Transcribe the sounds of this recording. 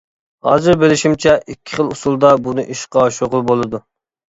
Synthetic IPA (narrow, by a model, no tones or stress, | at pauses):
hɑ̰ːzɨɾbɪlɪʃimt͡ʃʰɛʔikʲʰːɪ̥χəlˠusulˠd̪ɑbunɨʔiʃqɑʃoʁʊlˠbolˠɨd̪u